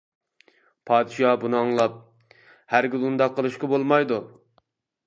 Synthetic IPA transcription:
pʰɑːd̪ɪʃɑbunɨɑŋlˠɑp̚ | hæɾɡʲilund̪ɑqʰːəlˠɨʃkɑbolˠmɑjd̪u

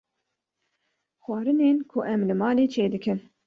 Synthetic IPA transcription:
xʷɑːɾɨneːnkʰʊʔɛmlɨmɑːleːt͡ʃʰeːd̪ɨkʰɨn

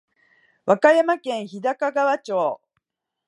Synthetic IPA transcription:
βakajamakẽ̞ɰ̃çid̪akaɡaβat͡ɕoː

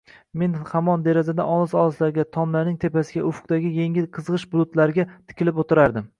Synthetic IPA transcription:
me̞nhamɒnd̪e̞ɾazad̪aʔɒlˠɪsɒlˠɪslaɾɡʲat̪ʰɒmlanɪŋt̪ʰe̞pʰasɪɡʲa̰ʔʊfʊ̥q̚d̪aɡʲɪjeŋʲɪqʰɨzʁɨʃbʊlˠʊt̪laɾɪɡʲat̪ʰɪ̥kʲʰɪlɪpot̪ʰɪɾaɾd̪ɪm

